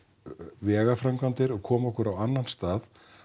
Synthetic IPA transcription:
vɛːɣafɾamkvant̪ɪɾɔɣkʰɔːmɔhkʏɾawanːanst̪aːð

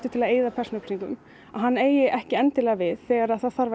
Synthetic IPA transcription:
t̪ʏt̪ʰɪlaðeːjðapʰɛr̥snʏpsiŋkʏ̰m | aðɦanːeːjɪʔɛhcɪɛnt̪ɪlɛːɣavɪðθɛːɣaɾaðθaðθaɾva

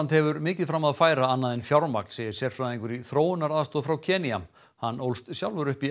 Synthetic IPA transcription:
nt̪hɛvʏɾmɪːcɪðfɾamːaðafaːjɾaanːaðenfjawɾmak̚nsɛɪɾ̥sjɛɾ̥fɾaðiŋkʏɾiθɾoːwʏnaɾaːðst̪ɔːðfɾawcʰɛːniam | hanːowlst̪sjawlvʏɾʏhpi

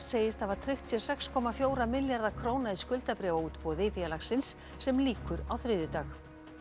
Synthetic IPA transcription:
seːjɪst̪avaɾ̥t̪ʰɾɪht̪sjɛɾ̥sɛkskʰɔːmafjoːwɾamɪljaɾðakʰɾoːwnaiskʏlt̪apɾɛːvauːt̪pɔːðɪfjalaxsɪnsː | ɛmliːkʏɾawθɾɪːðʏt̪aːx

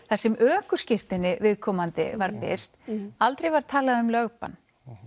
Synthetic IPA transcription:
θasɛmʔœːkʏscɪr̥t̪ɪnːɪvɪðkʰɔːmant̪ɪ̰vaɾpɪ̰r̥t̪alt̪ɾejvaɾ̥t̪ʰaːlaðʏmlœɣpa̰n

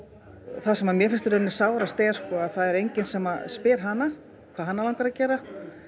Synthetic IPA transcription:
θasɛmamjɛfɪnst̪ɪɾʏnɪ̥saːwɾast̪eːjɣḁskɔːaðθaðɛɾejɲcɪnsɛmaspɪːɾ̥ɦanːa | kʰvaːðɦanːalawŋkvaɾaðcɛːɾa

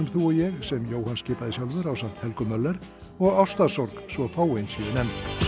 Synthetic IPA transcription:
ʏmθuɔjɛɣsɛmjoːwhanscɪːpaðɪsjawlvʏɾawsam̥t̪hɛlkʏmœlːɛɾ | ɔɣawst̪asɔɾksvɔfaːwejnsiːðɪnɛmt̪

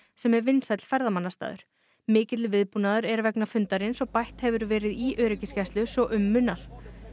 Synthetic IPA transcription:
sɛmɛɾvɪnsat̪l̥fɛɾðamanːast̪a̰ːðʏ̰ɾ̥ | mɪːcɪt̪lʏvɪðpuːnaðʏɾɛɾvɛknafʏnt̪aɾɪnsɔɣpajht̪hɛvʏɾvɛːɾɪðiʔœːɾɪcɪscast̪lʏsɔʔʏmːʏnːal̥

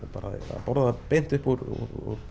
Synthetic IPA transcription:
paːɾa̰a̰pɔɾðapejn̥t̪ʏhpɔɾɔ̰ɔ̰ɾ

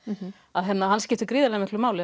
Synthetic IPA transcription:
aðɦɛt̪nahanscɪht̪ʏɾkɾiːðalɛɣamɪhklʏɾmaːwlɪ

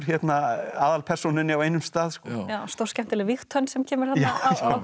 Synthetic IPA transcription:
ɾ̥çjɛt̪naaːðalpʰɛr̥sɔnʏnɪaweːjnʏmst̪aːðskɔjawst̪owrscɛm̥t̪ɪlɪvixt̪ʰœnsɛmcʰɛːmɪɾ̥θaj̪aːja

